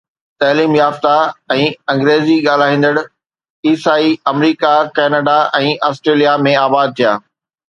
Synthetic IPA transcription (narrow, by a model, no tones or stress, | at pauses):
t̪ɐːliːmjaːft̪aɛ̃ːɐ̃ŋɡɾeːziɠaːl̤aːɦĩːn̆d̪əɽ | iːsaːiɐmɾiːkakɛːnəɖaɛ̃ːʔaːsʈɾeːlijamẽaːbaːd̪̚t̪ʰija̰ː